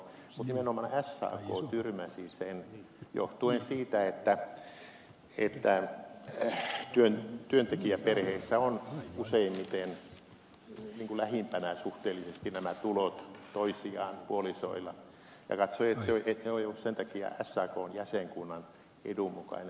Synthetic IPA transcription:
mut̪nimenomɑnæshɑ̰ːko̰ːt̪yrmæsisen | jo̰ht̪uensiːt̪æet̪ːæ | et̪ːæ | t̪yønt̪yønt̪ekiæperheisːæonuseimmit̪en | niːŋkulæhimpænæsuht̪eːlːisest̪inæmæt̪ulot̪t̪oisiɑːnpuoliso̰ilɑ | jɑ̰kɑt̪soiet̪seoeneoijolːussent̪ɑkiɑ̰æsːɑːkoːnjæseŋkunːɑn | ḛdummukɑ̰ine

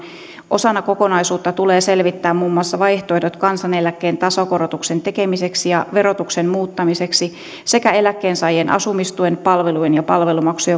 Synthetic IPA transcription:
ʔo̞sɑnːɑko̞ko̞nɑjsuːt̪ːɑt̪uleːse̞lʋit̪ːæːmmuːmːuɑsːɑʋɑjht̪oedo̞t̪kɑnsɑne̞lækːeːnt̪ɑsokoɾot̪ukse̞nt̪e̞ke̞mise̞ksijɑʋe̞ɾo̞t̪uksenmuːt̪ːɑmise̞ksi | se̞kæe̞lækːeːnsɑjenʔɑ̰sumist̪uenpɑlʋelujenjɑpɑlʋelumɑksue

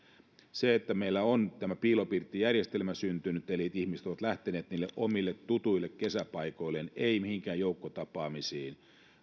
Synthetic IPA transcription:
seet̪ːæmeilːæont̪æmæpiːlopirt̪ːijærjest̪elmæsynt̪ynyt̪ːeliːt̪ihmise̥t̪oʋɑt̪læht̪eneːt̪niːlːeʔomilːet̪t̪ut̪uilːekkesæpɑikoilːeneimihiŋkæːjoukːot̪ɑpɑːmisiːn

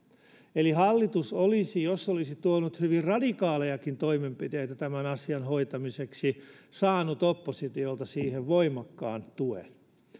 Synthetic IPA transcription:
elihɑlːit̪usolisijosːolisit̪uonut̪hyʋirrɑdikɑːlejɑkint̪oimempit̪eit̪æt̪æmænɑsiɑnhoit̪ɑmiseksisɑːnut̪opːosit̪iolt̪ɑsiːheʋʋoimɑkːɑːnt̪uḛn

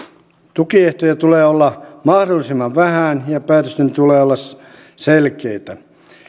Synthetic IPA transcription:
t̪ukieht̪ojæt̪uleːolːɑmɑhdolːˑisimːɑʋʋæhænjɑpæːt̪øst̪ent̪uleːolːɑs | selkeit̪æ

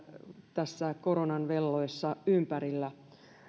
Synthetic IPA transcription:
t̪æsːækoɾonɑnʋelːoesːɑympæɾilːæ

